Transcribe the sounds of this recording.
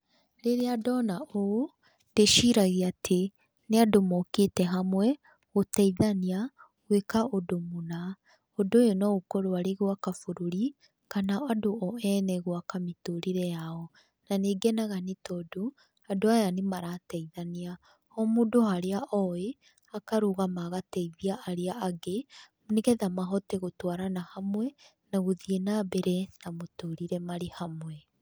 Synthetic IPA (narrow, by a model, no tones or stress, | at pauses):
ɾeɾeadɔnaʔo | ndeʃiɾaɣeatʰe | neadomɔketɛɦamwɛ | ɣotɛiðania | ɣwekaodomona | odojonɔokɔɾoaɾeɣwakafoɾoɾi | kanaadoʔɔɛnɛɣwakametoɾeɾɛjaɔ | naneːɡɛnaɣanitɔdo | adoajanemaɾatɛiðania | ɔmuːdohaɾeaʔɔe | akaɾoɣamaɣatɛiðiaʔːɾeaʔaɡe | mneɣɛðamaɦɔteɣotwaɾanahamwɛ | naɣoðienabɛɾɛnamotoɾiɾɛmaɾehamwɛ